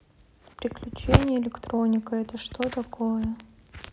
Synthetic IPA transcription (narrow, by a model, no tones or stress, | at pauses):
pɾʲɪklʲʉt͡ɕenʲɪjəɪlʲɪkt̪ɾo̞nʲɪkəɛt̪əʂt̪ot̪ɐkojə